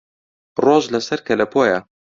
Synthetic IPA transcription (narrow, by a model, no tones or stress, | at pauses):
roːʒlɐsɐɾkʰɐlɐpʰoːjɐ